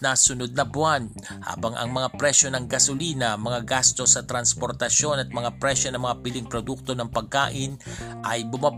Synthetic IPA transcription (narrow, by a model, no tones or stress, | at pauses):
nɐsʊnod̪̚nɐbʊan | ha̰ːbɐŋʔɐ̰ŋmɐŋapɾɛʃo̞nɐŋɡɐsoliːnɐmɐŋaɡast̪o̞sːɐt̪ɾɐnspo̞ɾt̪ɐʃjo̞nɐt̪̚mɐŋapɾɛʃo̞nɐŋmɐŋapɪliŋpɾod̪uk̚t̪o̞nɐŋpɐɡ̚ka̰ːʔɪnʔɐjbʊmab